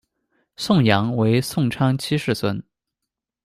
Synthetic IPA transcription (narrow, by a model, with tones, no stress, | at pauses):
sʊ˥˩ŋjɑ˧˥ŋwe˧˥ɪsʊ˥˩ŋʈ͡ʂʰɑ˥ŋt͡ɕʰi˥ʂɻ̩˥˩swə˥n